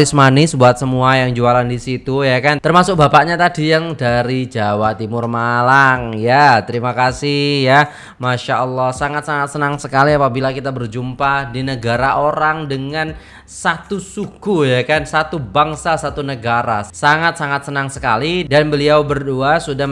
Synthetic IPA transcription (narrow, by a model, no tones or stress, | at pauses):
ɪsmanɪsbuat̪̚səmuajaŋd͡ʒualandisit̪ujakant̪ərmasʊk̚bapaʔɲat̪adijaŋdaɾid͡ʒawat̪imʊrmalaŋjat̪əɾimakasɪhja | maʃaʔəlːɔhsaŋat̪̚saŋat̪sənaŋsəkaliapabilakit̪abərd͡ʒumpadinəɡaɾaʔoɾaŋdəŋan | sat̪usuɡ̥ujakansat̪ubaŋsasat̪unəɡaɾasaŋat̪̚saŋat̪̚sənaŋsəkalidanbəliawbərduasuda